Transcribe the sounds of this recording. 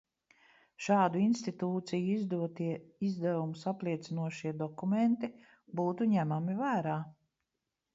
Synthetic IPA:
ʃaːd̪uinst̪it̪uːt̪sijuizd̪uɔt̪iɛizd̪ævumusaplˠiɛt̪sinuɔʃiɛd̪ɔkument̪i | buːt̪uɲæmamivæːɾaː

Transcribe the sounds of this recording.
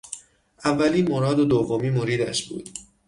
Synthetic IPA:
ʔævːæliːnmoɾɒːd̪od̪ovːomiːmoɾiːd̪æ̰ʃbṵːd̪̥

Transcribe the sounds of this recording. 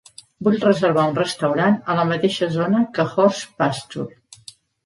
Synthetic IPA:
buʎrəzəɾβ̞aunrəst̪əwɾanələmət̪eʃəzonəkəxɔrspast̪ṵl

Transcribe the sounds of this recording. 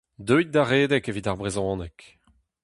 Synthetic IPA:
d̪øjt̪̚d̪aʁeːd̪ɛkevit̪aʁbʁezɔ̃ɑ̃ːnɛk

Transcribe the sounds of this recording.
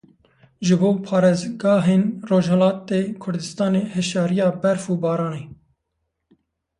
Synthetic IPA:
ʒɨboːpʰɑːɾeːzɡɑːɦeːnroːʒhɛlɑːt̪eːkʰʊɾd̪ɨst̪ɑːneːhɛʃɑːɾijɑːbɛɾfuːbɑːɾɑːneː

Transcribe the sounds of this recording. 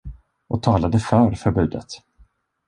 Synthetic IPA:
ʔɔt̪ʰɑːlad̪əfœɾfœɾbʉ̟ːd̪ə̰t̪

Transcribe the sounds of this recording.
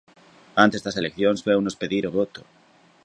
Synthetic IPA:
ant̪e̞zðaselekθjonsfweunospeðiɾoβ̞ot̪o

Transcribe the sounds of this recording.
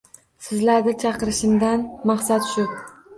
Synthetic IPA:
sɪzlaɾd̪at͡ʃʰɑqɨɾɪʃɪmd̪anmɑχsat̪ʰʊ̥ʃɪp̚

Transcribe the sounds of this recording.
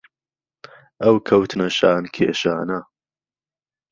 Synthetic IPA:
ʔɐwkʰɐwt̪ʰnɐʃaːnkʰḛːʃaːnɐ

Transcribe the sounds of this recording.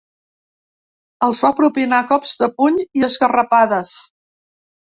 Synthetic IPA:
əlˠzβapɾupinakɔpzd̪əpuɲiəzɣərəpaðəs

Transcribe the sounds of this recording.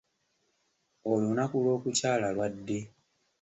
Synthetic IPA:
olonakulo̞ːkucaːlalwadːe̞

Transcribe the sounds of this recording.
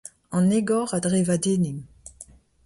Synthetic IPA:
ɑ̃neɡɔʁadʁevadenim

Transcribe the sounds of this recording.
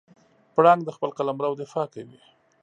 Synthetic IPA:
pɽɑŋɡd̪əxpəlqalamɾawd̪ɪfɑkawi

